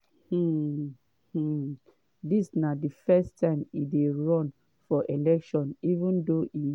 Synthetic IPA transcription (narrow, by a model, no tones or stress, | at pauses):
hm̩ | h̩ | disnadifɛstʰãɪ̃mideɹɔ̃n | fɔʔelɛkʃɔ̃nivũndoʔi